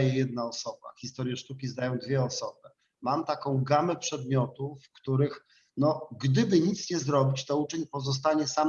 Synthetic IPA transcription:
jɛjɛd̪̚naɔsɔba̰xʲist̪ɔɾjɛʂt̪ukʲizd̪ajɔ̃w̃d̪vʲjɛɔsɔbɘ | mamt̪akɔ̃w̃ɡamɛpʂɛd̪mʲjɔt̪ufkt̪uɾɘx | nɔɡd̪ɘbɘɲit̪sɲɛzɾɔbʲit͡ɕt̪ɔut͡ʂɛɲpɔzɔs̬t̪aɲɛsam

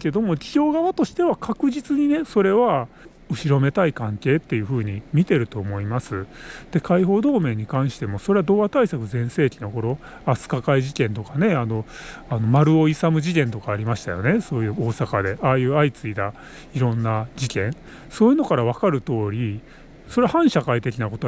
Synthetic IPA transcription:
ke̞d̪o̞mo̞i̥ʑo̞ːɡaβat̪o̞ɕi̥t̪e̞βakʰakɯ̟ʑit͡sɨɲ̟ine̞so̞ɾe̞βa | ɯ̟ɕiɾo̞me̞t̪aikãŋke̞ːt̪ːe̞jɯ̟ɸɯ̟ːɲ̟imʲit̪e̞ɾɯ̟t̪o̞ːmo̞imasɨd̪̥e̞kaiɦo̞ːd̪o̞ːmẽ̞ɲ̟ːikãɰ̃ɕi̥t̪e̞mo̞so̞ɾe̞βad̪o̞ːat̪aisakɯ̟zẽ̞ɰ̃se̞ːkʲino̞ko̞ɾo̞ | asɨ̥kakaiʑikẽ̞nt̪o̞kane̞ano̞ano̞maɾɯ̟o̞isamɯ̟ʑikẽ̞nt̪o̞kaːɾʲimaɕi̥t̪a̰jo̞̰ne̞so̞ːjɯ̟ːo̞ːsakad̪e̞ʔaːjɯ̟ːait͡sɨid̪a | iɾõ̞nːad͡ʑikẽ̞ɰ̃ | so̞ːjɯ̟no̞kaɾaβ̞akaɾɯ̟t̪o̞ːɾʲi | so̞ɾeahãɰ̃ɕakait̪e̞kʲinako̞t̪o

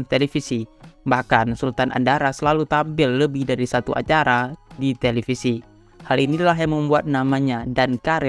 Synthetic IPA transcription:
nt̪elefisibahkansult̪anʔa̰ndaɾasəlalut̪ampɪlːəbɪhdaɾisat̪uʔa̰t͡ʃaɾadit̪elefisi | halinilaɦjaŋməmbuat̪̚namaɲadankaɾɛ

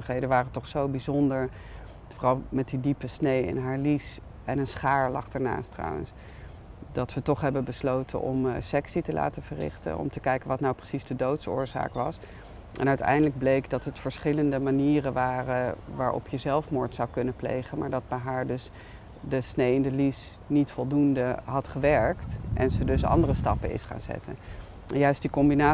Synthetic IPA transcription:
əχɦejdənʋaːrətɔχsowbizɔndəɹ | fɔrɑlˠmɛt̚didipəsnejɪ̰nɦaːɹlis | ɛnənsχaːɹlɑχd̥aːɹna̰ːstrɑ̰wə̰ns | dɑtʋətɔχɦɛbəbəslowtʰə̰nʔɔ̰msɛksitəla̰ːtəvərɪ̰χtə̰nɔ̰mtəkɛjkənʋɑtnawprəsizdədowtsʊ̰ːɹza̰ːkʋɑs | ʔɛnœɥtɛ̰jndələɡ̚blejkdɑtɦətfəɹsχɪləndəmaniːrənʋaːrəʋa̰ːɹʔɔ̰pʰjəzɛlˠfmʊːɹtsɑwkɵnəplḛjχənmaːɹdɑd̚bɛjɦaːɹdɵs | dəsnejɪndəlis | nitfɔlˠdundəɦɑtχəʋɛɹktʔɛ̰nzədɵsɑ̰ndərəstɑpəɪ̰sχa̰ːnzɛ̰tə̰n | ɛnjœɥstdikɔmbinaː

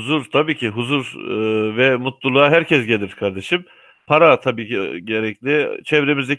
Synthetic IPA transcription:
uzuɾt̪ʰabiːcʰiɦuzuɾɯvɛmut̪lˠulˠuaɦæɾcʰɛsɟe̞lʲiɾkʰaɾd̪eʃim | pʰaɾat̪ʰabiːiɟeɾɛclʲɪt͡ʃʰɛvɾe̞mizd̪e

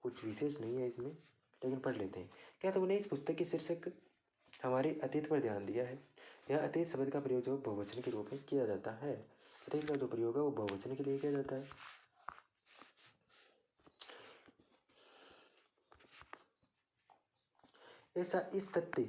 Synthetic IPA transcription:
kʊt͡ʃʰʋiʃeːʃnɐɦĩɦɛɪsmẽ | leːkɪnpɐɽleːt̪eɦɛ̃ːkjaːt̪ʊmnẽɪspʊst̪əkːeʃɪɾʃək | hɐmaːɾeʔɐt̪ɪt̪pɐɾd̪ʱjaːnd̪ijaɦɛːjaɐt̪ɪt̪sɐbəd̪kapɾɐjoːɡəbʱɐɦʊʋət͡ʃənkeɾuːpmẽkijad͡ʒaːt̪aɦɛɐt̪ɪt̪kad͡ʒoːpɾɐjoːɡɦɛʋobʱɐʋət͡ʃənkeliekijad͡ʒaːt̪aɦɛː | ɛːsaʔɪst̪ʰɐt̪ːe

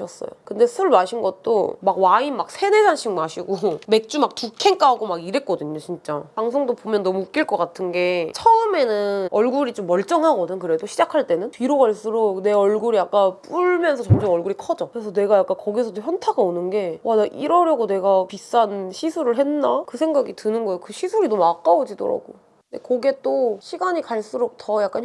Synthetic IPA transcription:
ʌs͈ʌ̰jo̰kɯnde̞ɯɯɭmaɕʰinɡʌt̚t͈o̰maɡwainmak̚sʰe̞nesʰanɕʰiŋmaɕʰiɡome̞k̚t͡ɕ͈umak̚tukʰe̞ŋk͈aɡomaɡiɾe̞t̚k͈ʌdɯɲot͡ɕint͡ɕ͈a̰paŋs̬ʰoŋdopomjʌnːʌmuːk͈iɭk͈ʌk͈atʰɯnɡe̞t͡ɕʰʌɯme̞nɯnʌɭɡuɾit͡ɕomːʌɭt͡ɕ͈ʌŋɦaɡʌdɯnkɯɾe̞doɕʰid͡ʑakʰaɭt͈e̞nɯnpiɾoɡaɭs͈ɯɾone̞ʌɭɡuɾijak͈ap͈uɭmjʌnsʰʌt͡ɕʌmd͡ʑomʌɭɡuɾikʰʌd͡ʑʌkɯɾes̬ʰʌne̞ɡajak͈ankʌɡisʰʌtçjʌntʰaɡaonɯnɡe̞wadaʔiɾʌɾjʌɡone̞ɡapis͈anɕʰisʰuɾɯɭɦe̞nːakɯsʰe̞ŋɡaɡitɯnɯnɡʌejokɯɕʰisʰuɾinomuak͈aod͡ʑido̰ɾa̰ɡ̥o | ndekʌɡe̞t͈oɕʰiɡaɲikaɭs͈uɾok̚tʰʌjak͈an

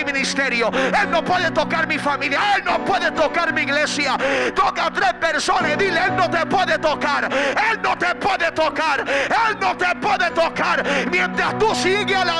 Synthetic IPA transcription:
imĩnist̪eɾjoelnopweðet̪okaɾmifamiljaelnõpweðet̪okaɾmiːɣlesjat̪okat̪ɾehpeɾsonesðileelnõt̪epweðet̪okaɾelnõt̪epweðet̪okaɾelnõt̪epweðet̪okaɾmjẽnt̪ɾast̪usiɣeala

